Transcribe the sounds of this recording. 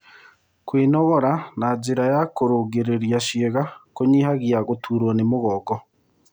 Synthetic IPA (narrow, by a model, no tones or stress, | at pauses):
kwiːnɔɣɔɾanad͡ʒiɾajakoɾoɡeɾeɾjaʃieɣakoɲihaɣiaɣotʰuːɾwanemoɣɔːɡɔ